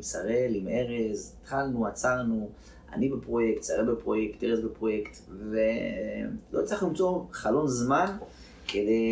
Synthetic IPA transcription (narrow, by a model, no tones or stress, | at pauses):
saʁelimʔeʁezt̪χalnuat͡saʁnu | a̰nibepʁo̞jekt̪saʁebepʁo̞jekt̪ːeʁezbepʁo̞jekt̪ | ve | lo̞t͡saχlimt͡so̞χalo̞mzman | kʰed̪e